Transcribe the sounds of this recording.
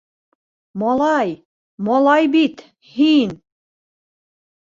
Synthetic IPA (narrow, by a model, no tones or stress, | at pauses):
mɒlˠɑj | mɒlˠɑjbit̪ | hin